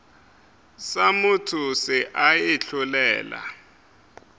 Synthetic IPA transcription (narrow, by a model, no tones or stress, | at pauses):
samʊtʰʊsɪʔajɪɬʰulɛ̰ːla̰